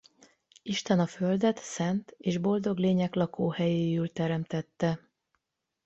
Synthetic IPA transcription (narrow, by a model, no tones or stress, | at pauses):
iʃt̪ɛnɒfø̞ld̪ɛt̪sɛnt̪eːʒbo̞ld̪o̞ɡleːɲɛklɒkʰoːhɛjeːylt̪ɛɾɛmt̪ɛt̪ːɛ